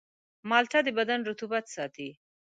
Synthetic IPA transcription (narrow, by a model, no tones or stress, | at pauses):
mɑlʈ̪ad̪əbad̪anɾʊt̪ubat̪sɑt̪i